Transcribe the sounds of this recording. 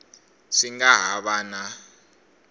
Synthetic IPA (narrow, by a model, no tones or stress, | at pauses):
siŋaɦaɓaːna